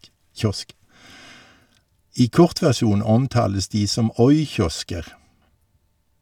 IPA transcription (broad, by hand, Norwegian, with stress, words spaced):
ˈiː ˈkɔʁt ʋæʁˈʃuːn ˈɔmˌtɑːləs ˈdiː ˈsɔm ˈɔʏˌçɔskəʁ